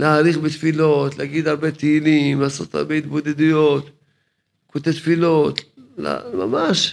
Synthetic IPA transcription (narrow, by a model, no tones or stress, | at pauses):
laaɾiχbet̪filo̞t̪leaɡid̪aɾbe̞t̪eilimlaːso̞̰t̪a̰ɾbe̞it̪bo̞d̪ed̪ujo̞t̪ | kot̪et̪filo̞t̪la̰ma̰maʃ